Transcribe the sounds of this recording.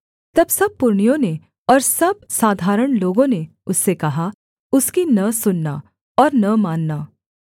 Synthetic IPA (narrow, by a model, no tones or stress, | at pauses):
t̪ɐbsɐb̚pːʊɾɳijõne | ɔːɾsɐb̚saːd̪ʱaːɾəɽ̃loːɡõne | ʊsːekɐɦa | ʊskinɐsʊnːa̰ | ɔːɾnɐmãːnːaː